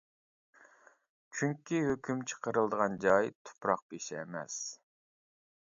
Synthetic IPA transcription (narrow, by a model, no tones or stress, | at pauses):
t͡ʃʰyŋkʲʰiɦøkʲymt͡ʃʰə̥qəɾɨlˠd̪əʁɑnd͡ʒɑjt̪ʰʊ̥pɾɑq̚peʃɛ̰ːmɛ̰s